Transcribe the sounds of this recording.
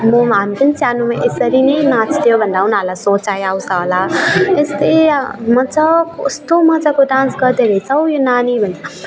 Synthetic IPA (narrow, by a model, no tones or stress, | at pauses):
mʌmɦamipʌnisjanumaʔesʌɾinʌjnãt͡sʰt̪ʰjobʱʌnd̪aunalasõt͡sajawsʌɦolaest̪ejmʌd͡zʌkost̪omʌd͡zakoɖãnsɡʌd̪eɾʌt͡sʰʌwjonanibʱʌnd̪a